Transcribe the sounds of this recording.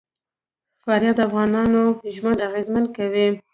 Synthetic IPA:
fɑɾjɑt̪̚d̪əafɣɑnɑnoʒwand̪aɣezman̚kawi

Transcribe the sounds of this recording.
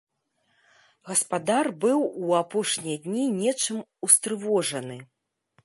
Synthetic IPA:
ɣɐspad̪arbɨwuapɔʂnʲijɐd̪ʲnʲinʲɛt͡ʂɨmust̪ɾɨvɔʐɐnɨ

